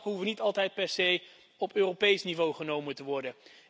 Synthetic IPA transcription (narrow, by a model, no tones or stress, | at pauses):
ɦufənitɑlˠtɛjt̚pɛɹsej | ɔpøːropejsnivowχənowmətəʋɔɹdə